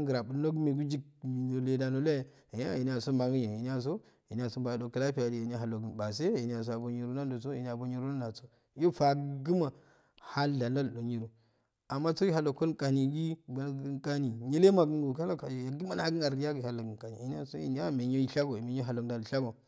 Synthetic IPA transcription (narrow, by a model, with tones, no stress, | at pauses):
ɡə˨ɾa˨bu˨˦lno˦ɡme˨ɡu˦d͡ʒi˦kno˨le˨da˨no˦la˦˨ | i˨ɲ˦a̰˦˨i˨ni˦a˨so˦ma˨ɡi˦ɲe˨i˨ni˦a˦s̬o˦ | ji˨n˦a˨so˦ba˨do˨ka˦la˦pi˦ja˨di˨je˨n˦a˦ɦa˨lo˨ɡnba˨s̬e˦e˨ni˦a˨s̬o˦a˨bo˨ɲi˨˦ɾu˦na˦ndo˨so˦i˨ni˨˦a˨bo˦ɲi˦ɾu˦na˦na˨so˦ | jo˦fa˨ɡə˦ma˨ | ha˦lda˨na˦lɗo˨ɲi˦ɾu˨ | a˨mːa˦so˦i˦ɦa˨lo˨ko˦kʼa˨ni˨ɡi˦ɡa˦ka˦ni˨ɲe˦le˦ma˨ɡə˦ŋɡo˨ka˦la˦a˨ja˨ɡi˦ma˨na˨˦ɡɨ˦a˨ɾi˦ja˦ɡi˨ha˨la˨ɡka˨nḭ˨i˨n˦a˦so̰˦ḭ˨n˦a˦˨me˨ɲo˦i˦ɬa˦ɡo˨me˨ɲo˦ɦa˨lo˨da˨lɬa˦ɡo˨